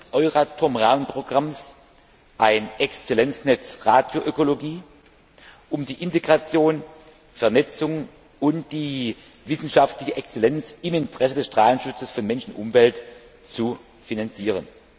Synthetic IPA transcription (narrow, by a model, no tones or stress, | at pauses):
ʔɔʏʁatʰʊɐmʁaːmənpʁ̥oɡʁams | ʔaɪnʔɛkst͡selɛnt͡snɛt͡sʁaːdjoʔøkoloɡiː | ʔʊmdiːʔɪnteɡʁat͡sjoːn | fɛɐnɛt͡sʊŋ | ʊntd̥iː | vɪsn̩ʃaftlɪçəʔɛkst͡selɛnt͡sɪmɪntʁ̥ɛsədɛsʃtʁ̥aːlən̩ʃʊt͡səsfɔnmɛnʃn̩ʔʊ̰mvɛlt | t͡su | finant͡siːʁ̞ən